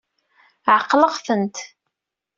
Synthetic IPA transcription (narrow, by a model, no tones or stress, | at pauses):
ʕəqːləʁθənt̪